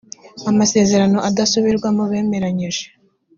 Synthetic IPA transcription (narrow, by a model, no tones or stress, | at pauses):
amase̞ːze̞ɾano̞ʔadasuβiɾɡwamuβe̞ːme̞ɾaɲiʒe̥